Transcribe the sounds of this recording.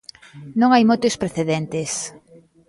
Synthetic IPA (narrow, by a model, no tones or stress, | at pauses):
nõŋajmot̪espɾeθeðɛnt̪es